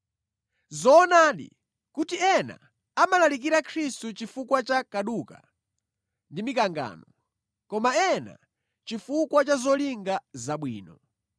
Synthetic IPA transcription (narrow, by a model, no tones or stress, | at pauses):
zɔːnaːɗḭ | kutiɛna̰ | amalalik̬iɾakʰɾistut͡ʃifukwat͡ʃakaɗuka | ndimikaŋɡa̰ːnɔ | kɔmaɛna̰ | t͡ʃifukwat͡ʃazɔliŋɡazaɓwḭːnɔ